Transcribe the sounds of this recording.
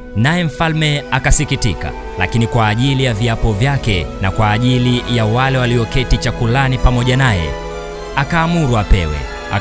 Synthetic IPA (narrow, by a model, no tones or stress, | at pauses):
najɛm̩falmɛakasikitḭka̰ | la̰kinikwaːʄilijaviapɔvjakɛnakwaːʄilijawalɛwaliɔkɛtit͡ʃakulanipamɔʄanajɛ̰ | akaːmuɾuapɛ̰wɛ̰ | a̰